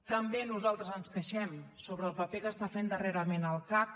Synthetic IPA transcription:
t̪əmbenuzalˠt̪ɾəzənskəʃɛmsoβɾəːlˠpəpekəst̪afend̪əreɾəmenəlˠkap̚

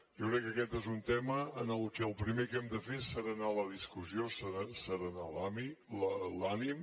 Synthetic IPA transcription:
jɔwkɾɛkːəkɛt̪ezunt̪ɛməənəlˠkɛəlˠpɾimekɛmd̪əfesəɾanaləðiskuziosəɾasəɾanalamiləlanim

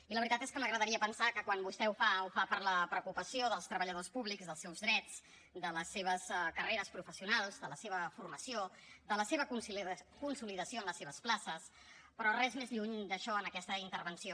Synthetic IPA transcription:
iləβɾit̪at̪eskəməɣɾəðəɾiəpənsakəkwanbust̪ɛufaufapəɾləpɾəkupəsioðəlˠst̪ɾəβəʎəðospuβlikzðəlˠsɛwzðɾɛd͡z | d̪ələsːeβ̞əskəreɾəspɾufəsiunalˠzd̪ələseβəfurməsijod̪ələseβəkunkunsuliðəsioənləseβəsplasəs | pɾɔrɛzmezʎuɲd̪əʃɔənəkɛst̪əint̪əɾβənsio

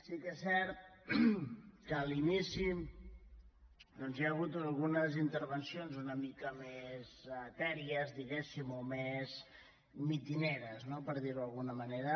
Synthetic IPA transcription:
sikɛsɛɾt̪̚ | kəːlinisi | d̪ɔnzjaəɣ̞ut̪əlˠɣunəzint̪əɾβənsionzunəmikəmezt̪ɛɾiəzðiɣɛsimomez | mit̪ineɾəznopəɾð̞iɾuəlˠɣunəməneɾə

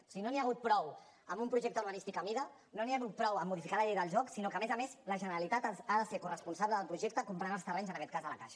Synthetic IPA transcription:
siɣinoniaɣut̪̚pɾɔw | əmbumpɾuʒɛk̚t̪əuɾβənist̪ikəmiðə | noniaɣut̪̚pɾɔwəmːuð̞ifikaləʎejðəlˠʒɔksinokəːmezəmezləʒənəɾəlit̪at̪aaðəsekurəspunsaβləðəlˠpɾuʒekt̪əkumpɾanəlˠst̪ərɛɲzənəkɛt̪̚kazðələkaʃə̥

